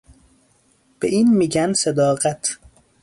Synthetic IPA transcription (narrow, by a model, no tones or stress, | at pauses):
b̥eʔiːnmiːɟænsed̪ɒːɣæt̪ʰ